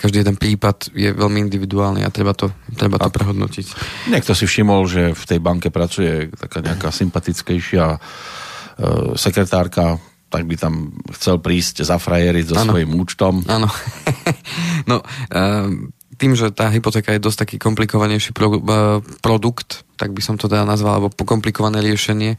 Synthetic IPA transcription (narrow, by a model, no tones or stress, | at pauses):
kaʒd̪iːɛd̪ɛnpɾiːpad̪jɛ̰ʋɛlmiind̪iʋid̪uaːlnḭʔa̰t̪ɾɛbat̪ɔt̪ɾɛbat̪ɔpɾɛɦɔd̪nɔ̰cicɲɛk̚t̪ɔsifʃimɔlʒɛft̪ɛjbaŋkɛpɾat͡sujɛt̪akaːɲɛakasimpat̪it͡skɛjʃɪa | sɛkɾɛt̪aːɾka | t̪aɡ̚bit̪amxt͡sɛlpɾiːzczafɾajɛɾizɔsanʋɔjimuːt͡ʃt̪ɔmʔaːnɔ | nɔ | t̪iːmʒɛt̪aːɦipɔt̪ɛːkajɛd̪ɔsct̪akiːkɔmplikɔʋaɲɛjʃi | pɾɔd̪ukt̪t̪ːa̰ɡ̚bisɔmt̪ɔd̪aanazʋala̰lɛbɔkɔmplikɔʋanɛːɾɪɛʃɛɲɪɛ